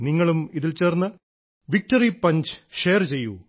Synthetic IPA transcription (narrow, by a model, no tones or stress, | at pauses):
niŋːɐɭumiðilt͡ɕe̞ːrnːɨ | ʋik̚ʈɐripɐɲd͡ʑɨ̥ʂe̞jːɐrt͡ɕe̞jːṵ